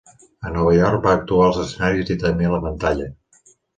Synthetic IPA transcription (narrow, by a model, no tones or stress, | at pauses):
ənɔβ̞əjɔrk̚baːk̚t̪uaəlˠzəsənaɾizit̪əmbeləβənt̪aʎə